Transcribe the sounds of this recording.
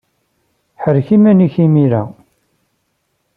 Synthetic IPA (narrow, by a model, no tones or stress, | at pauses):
ħəɾçimæniçimiɾæ̰